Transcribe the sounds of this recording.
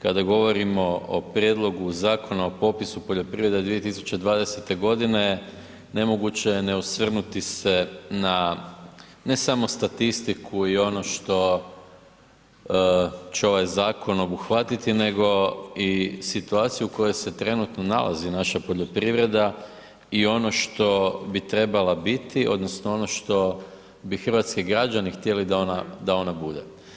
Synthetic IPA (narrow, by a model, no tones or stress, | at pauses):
kad̪aɡo̞ʋo̞ɾimo̞o̰pɾje̞d̪lˠo̞ɡuzaːko̞naopo̞pisupo̞ʎo̞pɾiʋɾe̞d̪ad̪ʋije̞t̪isu̥t͡ɕe̞d̪ʋaːd̪ese̞t̪e̞ɡo̞d̪ine̞ | ne̞mo̞ɡut͡ɕe̞jeneusʋr̩nut̪ise̞na | ne̞samo̞st̪at̪ist̪ikʰuio̞no̞ʃt̪o̞ | t͡ɕeo̞ʋajzaːko̞no̞buxʋat̪it̪ine̞ɡo̞isit̪uaːt̪sijuko̞jo̞jse̞t̪ɾe̞nut̪no̞na̰lʔa̰zinaʃapo̞ʎo̞pɾiʋɾe̞d̪a | io̞no̞ʃt̪o̞bit̪ɾe̞balabit̪iʔo̞̰d̪nosnoo̞no̞ʃt̪o̞ | bixr̩ʋat̪skiɡɾad͡ʒanixt̪je̞lid̪ao̞nad̪ao̞nabud̪e